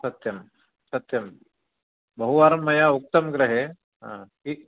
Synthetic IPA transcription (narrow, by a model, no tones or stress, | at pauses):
sɐt̪jɐm | sɐt̪jɐm | bɐɦuʋaːɾɐmːɐjauk̚t̪ɐmɡɾɐɦe | ɦã̰ | i